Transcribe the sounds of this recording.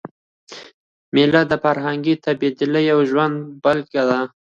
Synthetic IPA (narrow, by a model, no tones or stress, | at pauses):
melad̪əfaɾɦaŋɡit̪abed̪ɪlajawʒwand̪balkad̪a